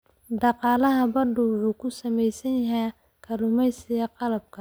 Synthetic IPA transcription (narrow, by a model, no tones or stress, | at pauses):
dɑqɑːlɐɦɐbɐɖʊwʕuːkʰʊsɐmɛjsɐnjɐɦɛj | kʰɐlʊmɛjsɪjɐqɑlɐb̚kʰɐ